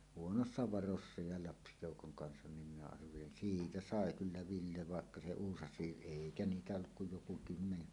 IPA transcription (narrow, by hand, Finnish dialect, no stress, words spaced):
huonosːɑ ʋɑrosːɑ jɑ lɑpsijoˑukoŋ kɑnsɑn nim minæ ɑrʋelin siːtæ sɑˑe kylːæ ʋilːe ʋɑˑekːɑ se uːsɑsˑiːʔ ʔeˑikæ niːtæ olːuk kuj joku kymːene